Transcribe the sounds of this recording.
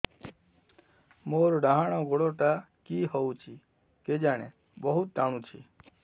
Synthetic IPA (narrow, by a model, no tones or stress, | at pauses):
moːɾɖaɦaɽ̃õɡoɽot̪a | kiɦout͡ʃʰi | ked͡ʒaɽ̃ḛ̃ | bəɦut̪̚d̪aɽ̃ũt͡ʃʰi